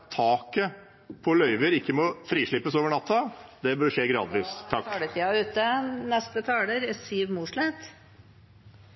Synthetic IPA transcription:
t̪ʰɑːkə | pʰɔlœʏʋəɾɪkːəmɔfɾiːʂɭɪpːəsoːʋəɳɑt̪ʰːɑd̪ɛbœɾʂeːɡɾɑ̰ːd̪ʋiːst̪ʰːɑkːlət̪ʰiːɑʉːt̪ənɛst̪ət̪ʰɑːɽəɾɛsyːʋmuːʂɭɛt̪

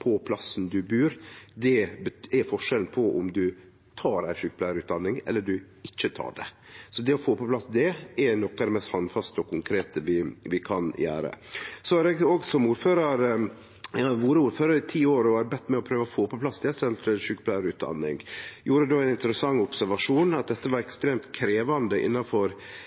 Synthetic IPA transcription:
pʰɔpʰlɑsn̩d̪ʉbʉːɾd̪ɛbəɛɾfɔʂɛln̩pʰɔʔʊ̰md̪ʉ | t̪ʰɑːɾæɪʃʉk̚ːblæɾʉːt̪̚d̪ɑnːɪŋɛ̰lːəɖʉ | ɪçːət̪ʰɑ̰ːɖɛ̰sɔd̪ɛɔfoːpɔplɑsd̪ɛɛɾnɔkːɑd̪ɛmɛst̪hɑnd̪fɑst̪əɔkʰʊŋkʰɾeːt̪əʋɪʋɪkʰɑnjæ̰ːɾə̰sɔhɑɾɛɡoːɡsɔmuːɾføːɾɑɾ | ʋuːɾəuːɾføːɾɑɾɪt̪ʰiːoːɾɔɑɾbɛt̪ːmɛɔpʰɾøːʋəɔfoːpɔpʰlɑsd̪ɛst̪ɛɛlt̪ʰɛʂʉkːblæɾʉːt̪̚d̪ɑ̰nːɪ̰ŋjuːɾəd̪oːæɪnɪnt̪əɾəsɑŋːʊpsæɾʋɑʂuːnɑt̪̚d̪ɛt̪ːəʋɑɾɛkst̪ɾeːmt̪kʰɾeːʋɑnd̪əʔɪ̰nːɑfɔɾ

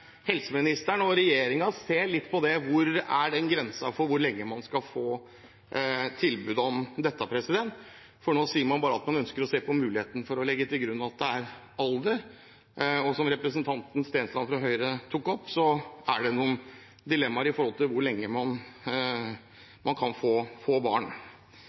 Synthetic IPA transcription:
hɛlsəmɪnɪst̪əɳɔɾɛjeːɾɪŋɑseːɭɪt̪ːpʰɔd̪ɛʋʊɾæɖɛnɡɾɛnsɑfɔɾʋʊɾɭɛŋːəmɑnskɑlfoː | t̪ʰɪlbʉːd̪ɔmd̪ɛt̪ːəpʰɾɛsɪd̪ɛnt̪ | fɔɳoːsiːəɾmɑnbɑːɾəɑt̪mɑnœnskəɾɔseːpʰɔmʉːlɪeːt̪nəfɔɾɔlɛɡːət̪ɪlɡɾʉnːɑt̪̚d̪ɛæɾ | ɑld̪əɾ | ɔsɔmɾɛpɾəsənt̪ʰɑnt̪n̩st̪eːnslɑnfɾɑɦœʏɾət̪ʰukɔpːsɔæɖɛnuːən | d̪ɪlɛmːɑɾɪfɔɾhɔlt̪ɪlʋʊɾɭɛŋːəmɑn | mɑnkʰɑnfoːfoːbɑːɳ

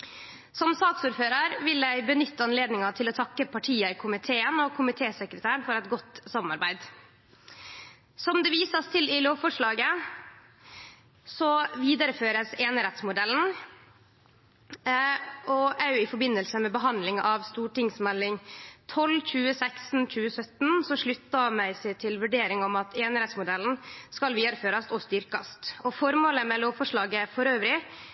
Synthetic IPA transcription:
sɔmsɑːksuːɾføːɾɑɾʋɪlæɪbənʏt̪ːəɑnleːd̪nɪŋɑt̪ʰɪlɔt̪ʰɑkːəpʰɑʈʰiːəɪkʰʊmɪt̪ʰeːənɔkʰʊmɪt̪ʰeːsəkɾət̪ʰæːɳfɔɾɛt̪ɡɔt̪ːsɑmɑɾbæɪd̪ | sɔmd̪ɛʋiːsɑst̪ʰɪlɪloːʋfɔʂɭɑːɡə | sɔʋiːd̪ɑɾəføːɾəseːnəɾɛt̪smʊd̪ɛln̩ | ʔɔæɾjʊɪfɔɾbɪnːəlsəmɛbəɦɑnd̪lɪŋʔɑʋst̪uːʈɪŋsmɛlːɪŋt̪ʰɔlc͡çʉːəsæksn̩c͡çʉːəsœt̪n̩sɔʂɭʉt̪ːɑmæɪsɪt̪ʰɪlʋʉɖeːɾɪŋɔmɑt̪eːnɾɛt̪smʊd̪ɛln̩skɑlʋiːd̪ɑɾəføːɾɑst̪ɔst̪ʏɾkɑst̪ɔfɔɾmoːləmɛloːʋfɔʂɭɑːɡəfɔɾøːʋɾɪ

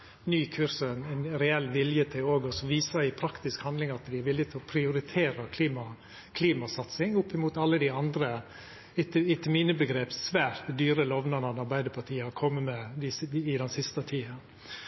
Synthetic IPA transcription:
nyːkʰʉɾsəɛnɛɪnɾɛɛlːʋɪljət̪ʰɪloːɡɔsɔʋiːsɑɪpʰɾɑkt̪ɪskhɑnd̪lɪŋɑt̪d̪ɪæɾʋɪlːɪɡt̪ʰɪlɔpʰɾɪʊɾɪt̪ʰeːɾəkʰliːmɑ | kʰliːmɑsɑt̪sɪŋʊpːɪmuːt̪ɑlːəd̪ɪɑnd̪ɾə | ɪt̪ɪt̪əmiːnəbəɡɾeːpssʋæːɾt̪d̪yːɾəlɔʋnɑnɑd̪ɑɾbæɪd̪əpʰɑʈʰiːəhɑɾkʰɔmːəmɛd̪ɪsɪd̪ɛnsɪst̪ət̪ʰiːɑ

